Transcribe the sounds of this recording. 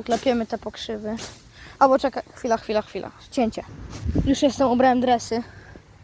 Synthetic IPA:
uk̪lɛpʲjɛmɘt̪ɛpɔkʂɘvɘ | albɔt͡ʂɛkaxfʲilaxfʲilaxfʲila̰ | t͡ɕeɲt͡ɕɛjuʂjɛst̪ɛmubɾawɛmd̪ɾɛsɘ

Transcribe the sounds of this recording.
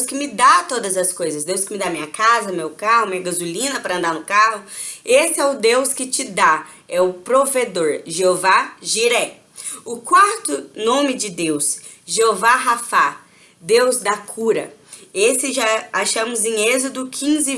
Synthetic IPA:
wskɪmɪd̪at̪od̪ɐzɐskojzɐsd̪ewskɪmɪd̪amĩɲɐkazɐmewkahʊmĩɲɐɡazulĩnɐpɾɐɐ̃nd̪anʊkaɦʊesɪɛʊd̪ewskɪt͡ʃɪd̪a | ɛʊpɾoved̪oɾʒeovaʒiɾɛ | ʊkwaɾt̪ʊnõmɪd͡ʒɪd̪ews | ʒeovaɦafa | d̪ewzd̪ɐkʰuɾɐ̰ | esɪʒaaʃɐ̃mʊzẽezɪd̪ʊkʰĩzɪ

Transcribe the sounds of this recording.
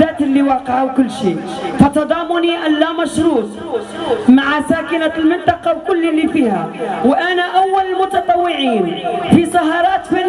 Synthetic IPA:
aːt̪ɪlːiwɑːqɪʕawkʊlːʃḭːʔfat̪ɑd̪ˤɑːmʊniʔalːamɑʃɾuːt̪ˤ | maʕsaːkɪnalmɪnt̪ˤɑqɑwkʊlːɪlːifiːha̰wʔanaʔawːalɪlmʊt̪ɑt̪ˤɑwːɪʕiːnfisˤɑɦɑːɾˤɑːt̪fi

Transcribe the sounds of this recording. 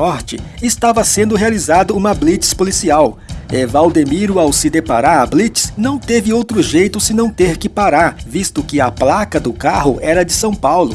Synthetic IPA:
ɔɾt͡ʃɪ̰ɪst̪avɐsẽnd̪ʊɦealizad̪ʊũmɐblit͡ʃɪ̥spolisiawevawd̪emiɾʊawsɪd̪epaɾaɾɐblit͡ʃɪ̥snɐ̃w̃t̪evɪowt̪ɾʊʒejt̪ʊsɪnɐ̃w̃t̪eɾkɪpaɾaɾvist̪ʊkɪɐplakɐd̪ʊkaɦʊ̰ʔɛɾɐd͡ʒɪsɐ̃w̃pawlʊ̰

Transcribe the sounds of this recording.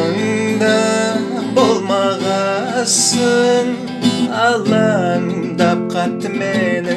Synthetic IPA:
ond̪ɑ | bolˠmɑʁɑ | səɴ | ɑlˠɑn | d̪ɑp̚qʰɑt̪ːəmenɪ

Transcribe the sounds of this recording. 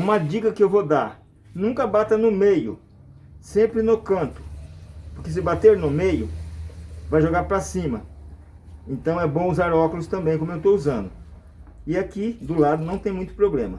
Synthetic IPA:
ũmɐd͡ʒikɐkɪewvod̪aɾ | nũŋkɐbat̪ɐnʊmejʊ | sẽmpɾɪnʊkɐ̃nt̪ʊ̥poɾkes̬ɪbat̪eɾnʊmejʊ | vajʒoɡaɾpɾɐsĩmɐ | ẽnt̪ɐ̃w̃ɛbõw̃uzaɾɔkʊlʊst̪ɐ̃mbẽj̃komʊewt̪ouzɐ̃nd̪ʊ | ɪakid̪ʊlad̪ʊnɐ̃w̃t̪ẽj̃mũj̃t̪ʊ̥pɾoblẽmɐ

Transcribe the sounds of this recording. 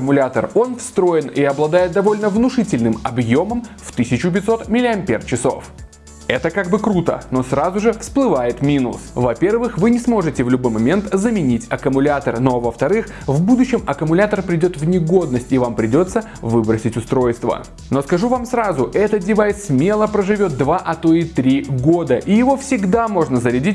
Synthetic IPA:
əmʊlʲat̪əro̞nfst̪ɾo̞jɪniɐblˠɐd̪ajɪt̪̚d̪ɐvo̞lʲnəvnʊʂɨtʲɪlʲnɨmɐbjo̞məmft̪ɨsʲɪt͡ɕʊp̬ʲɪt̪so̞t̪mʲɪlʲɪɐmʲpʲert͡ɕɪso̞̰f | ɛt̪əkaɡbɨkɾut̪ə̰no̞srazʊʐɨfsplˠɨvajɪt̪mʲinʊsvɐpʲe̞rvɨxvɨnʲɪsmo̞ʐɨtʲɪvlʲʊbo̞jmɐmʲe̞nt̪zəmʲɪnʲitʲɐkəmʊlʲat̪ərno̞vəft̪ɐɾɨx | vbud̪ʊɕːɪmɐkəmʊlʲat̪ərpɾʲɪdʲo̞t̪vnʲɪɡo̞d̪nəsʲtʲɪvampɾʲɪdʲo̞t̪sə | vɨbɾəsʲɪtʲʊst̪ɾo̞jst̪və̰ | no̞skɐʐuvamsɾazʊʔɛt̪ədʲɪvajsʲmʲe̞lˠəpɾəʐɨvʲo̞t̪̚d̪vaʔɐt̪oɪt̪ɾʲiɡo̞d̪əʔijɪvo̞fsʲɪɡd̪amo̞ʐnəzəɾʲɪdʲitʲ

